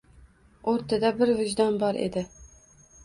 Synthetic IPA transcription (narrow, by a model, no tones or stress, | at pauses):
oɾt̪ʰad̪abɪɾvɪd͡ʒd̪ɒnbɒɾʔḛd̪ɪ